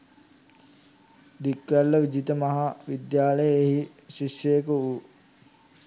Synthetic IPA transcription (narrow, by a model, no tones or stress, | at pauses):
d̪ikʋælːəʋid͡ʒit̪əmɐɦaʋid̪jaːləjəeɦi | ʃiʃːəjəkəu